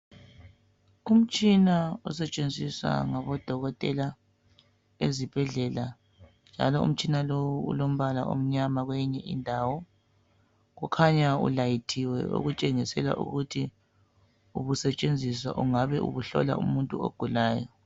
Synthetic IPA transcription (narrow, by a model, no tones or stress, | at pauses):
um̩t͡ʃʼinaɔsɛt͡ʃʼend͡zʱiswa̰ŋaβɔd̥ʱɔɣɔtʼɛla | ezib̥ʱɛɮɛla | nd͡ʒʱa̰lɔṵm̩t͡ʃʼinalowuṵlom̩βala̰ʔo̰m̩ɲamaɣwɛɲɛʔindʱawɔ | ɣukʰaɲaṵlajitʰiwɛ̰o̰ɣut͡ʃʼɛŋisɛla̰ʔṵɣutʰi | uβusɛt͡ʃʼend͡zʱiswa̰ʔuŋaβɛʔṵβuɬɔ̰la̰ṵmuntʼuo̰ɡ̥ʱulaːjɔ